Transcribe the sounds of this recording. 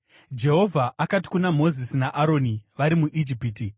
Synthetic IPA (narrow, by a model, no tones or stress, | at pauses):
d͡ʒe̞ɦo̞vʱaʔakati̥kunamo̞zisinaʔaɾo̞ːniʋaɾimuʔid͡ʒipiːti